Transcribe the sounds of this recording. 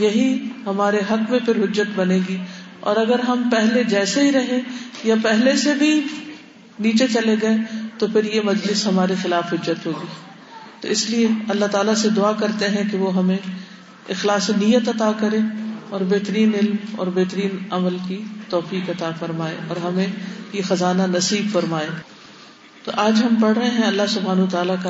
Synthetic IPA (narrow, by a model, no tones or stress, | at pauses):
jɐɦihɐmaːɾeɦɐkmẽpʰɪɾɦʊd͡ʒːət̪bɐnẽːɡi | ɔ̰ːɾɐɡəɾɦɐmpɛɦled͡ʒɛːseɦiɾɐɦẽjapɛɦlesebʱi | niːt͡ʃet͡ʃɐleɡɐet̪opʰɪɾjemɐd͡ʒlɪsɦɐmaːɾexɪlaːfɦʊd͡ʒːət̪ɦoːɡiː | t̪o̰ɪslieɐlːaɦt̪aːlased̪ʊaːkɐɾt̪eɦɛ̃keʋoɦɐmẽ | ɪxlaːsinijːət̪ɐt̪akɐɾẽɔːɾbeɦt̪əɾiːnɪlmɔ̰ːɾbɛɦt̪əɾiːnɐməlkit̪ɔːfiːkɐt̪afɐɾmaːḛ̃ɔːɾɦɐmẽjexɐzaːnanɐsiːbfɐɾmaːeː | t̪o̰ʔaːd͡ʒɦɐmpɐɽɾɐɦeɦɛ̃ɐlːasʊbʱɦaːnɐt̪aːlaka